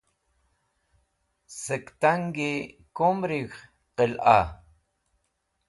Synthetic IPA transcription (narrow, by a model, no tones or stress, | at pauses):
səkt̪aŋɡi | komɾiɣ | qəlʔɑ̰